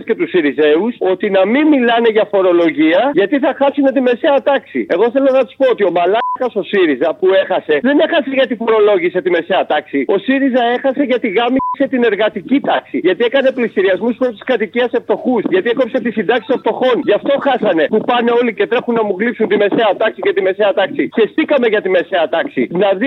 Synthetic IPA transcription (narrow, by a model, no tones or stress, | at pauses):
sce̞t̪usiɾize̞uso̞t̪inɐminmilɐne̞ʝɐfo̞ɾo̞lo̞ʝiɐʝɐt̪iθɐxɐsune̞t̪ime̞se̞ɐt̪ɐksḭe̞ɣo̞θe̞lonɐt̪u̥spoot̪io̞mɐlɐkɐso̞siɾizɐpue̞xɐse̞ðe̞ne̞xɐseʝɐt̪ifo̞ɾo̞lo̞ʝise̞t̪ime̞seɐt̪ɐksio̞siɾizɐe̞xɐse̞ʝɐt̪iɣɐmise̞t̪ine̞ɾɣɐt̪icit̪ɐksiʝɐt̪ie̞kɐne̞plisiɾiɐzmuspɾo̞st̪i̥skɐt̪iciɐse̞ft̪o̞xusʝɐt̪ieko̞psɐt̪isind̪ɐksi̥soft̪o̞xo̞nʝɐft̪o̞xɐsɐne̞pupɐne̞o̞lice̞t̪ɾe̞xunːɐmuɣlipsunt̪ime̞se̞ɐt̪ɐksicet̪ime̞seɐt̪ɐksiçe̞st̪ikɐme̞ʝɐt̪ime̞se̞ɐt̪ɐksḭnɐði